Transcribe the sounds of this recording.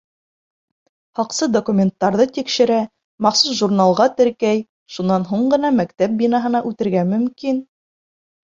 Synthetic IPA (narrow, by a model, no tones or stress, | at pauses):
hɑqsɤd̪okumʲent̪ːɑɾðɤt̪ikʃɘ̆ɾæ | mɑχsusʒurnalˠʁɑt̪ɘ̆ɾkæj | ʃunːɑnɦuɴɢɤ̆nɑmækt̪æp̚binɑɦɤ̆nɑʔʉt̪ɘ̆ɾɡæmɵ̆mkin